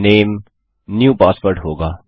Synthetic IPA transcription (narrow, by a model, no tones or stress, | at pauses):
nẽːm | njuːpaːspəɾʈɦoːɡaː